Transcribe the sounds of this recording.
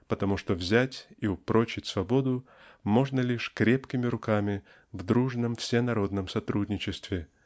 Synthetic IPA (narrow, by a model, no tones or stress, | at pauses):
pət̪ɐmuʂt̪ovzʲætʲiʊpɾot͡ɕɪtʲsvɐbo̞d̪ʊ | mo̞ʐnəlʲiʂkɾʲepkʲɪmʲɪɾʊkamʲɪ | vd̪ɾuʐnəmfsʲenɐɾo̞d̪nəmsɐt̪ɾudʲnʲɪt͡ɕɪst̪vʲɪ